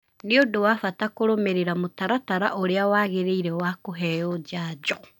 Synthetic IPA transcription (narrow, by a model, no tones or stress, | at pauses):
neodowafatakoɾomeɾeɾamotaɾataɾa̰ʔoɾeawaːɣeɾeiɾɛwakoɦɛjod͡ʒaːd͡ʒɔ